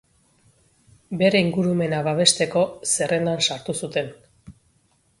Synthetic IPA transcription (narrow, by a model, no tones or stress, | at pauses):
be̞ɾe̞iŋɡuɾume̞naβaβe̞st̪e̞ko̞se̞rʔe̞nd̪ansaɾt̪usut̪e̞n